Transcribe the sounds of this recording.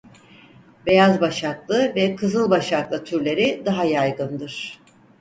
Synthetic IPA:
be̞jazbaʃaklˠɯvɛkʰɯzɯlˠbaʃaklˠɯt̪ʰyɾlʲe̞ɾid̪aɦajajɡɯnd̪ɯɾ̥

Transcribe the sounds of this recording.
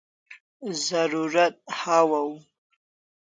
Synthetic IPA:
zaruratʼħawaw

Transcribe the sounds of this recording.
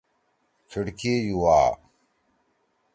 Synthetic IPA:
t͡ɕʰiɽkejuwaː

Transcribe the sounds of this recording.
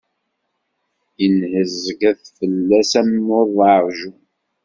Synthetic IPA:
ənhəzəɡæθfəlːæsæmːoðˤɑɾˤʒu

